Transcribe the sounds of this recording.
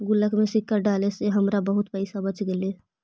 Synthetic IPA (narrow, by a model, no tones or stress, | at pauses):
ɡʊləkmẽsɪkːəɾɖaːleseɦəmɾabəɦʊt̪pəɪsabət͡ʃɡele